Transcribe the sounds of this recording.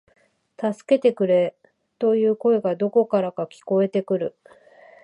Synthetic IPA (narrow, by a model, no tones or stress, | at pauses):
t̪asɨ̥ke̞t̪e̞kɯ̟ɾe̞ | t̪o̞jɯ̟ːko̞e̞ɡad̪o̞ko̞kaɾakakʲi̥ko̞e̞t̪e̞kɯ̟ɾɯ̟